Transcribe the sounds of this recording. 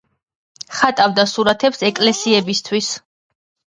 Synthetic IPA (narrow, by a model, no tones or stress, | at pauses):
χat̪ʼavd̪asuɾat̪ʰɛpsɛkʼlɛsiɛbist̪ʰwis